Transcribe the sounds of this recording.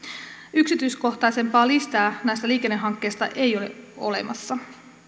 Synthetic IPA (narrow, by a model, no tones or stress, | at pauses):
yksit̪yjsko̞ht̪ɑjse̞mpɑːlist̪ɑːnæjst̪æliːke̞nːe̞ɦɑŋkːe̞jst̪ɑ̰ʔe̞jo̞le̞̰o̞̰le̞̰mɑ̰sːɑ